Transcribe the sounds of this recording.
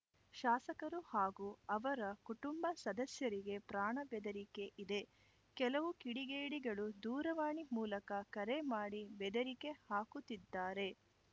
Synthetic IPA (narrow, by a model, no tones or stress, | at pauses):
ʃaːsɐkɐɾuhaːɡuːɐʋɐɾɐkuʈumbɐsɐd̪ɐsjɐɾiɡe̞pɾaːɳɐbɛd̪ɐɾike̞ʔid̪e̞ | kɛlɐʋukiɽiɡeːɽiɡɐɭud̪uːɾɐʋaːɳimuːlɐkɐkɐɾe̞maːɽibɛd̪ɐɾike̞haːkut̪id̪ːaːɾe̞